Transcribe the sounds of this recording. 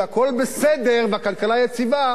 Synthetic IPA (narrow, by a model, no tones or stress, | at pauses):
ako̞lbesed̪e̞ʁbeakalkalajet͡siva